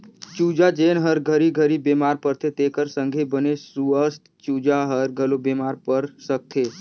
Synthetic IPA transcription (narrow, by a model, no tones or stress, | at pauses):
t͡ʃud͡ʒad͡ʒenɦəɾɡʱəɾiɡʱəɾibemaɾpəɾt̪ʰet̪ekəɾsəŋɡʱebənesuəst̪t͡ʃud͡ʒaɦəɾɡʱəlobemaɾpəɾsək̚t̪ʰe